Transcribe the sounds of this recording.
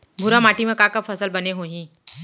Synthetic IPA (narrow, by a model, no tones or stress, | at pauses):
bʱuɾamaʈimẽkakəpfəsəlbəneɦoɦĩː